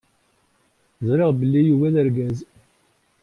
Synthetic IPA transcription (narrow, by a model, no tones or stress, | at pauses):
zˤɾeʁbəlːijuwæðəɾɡæz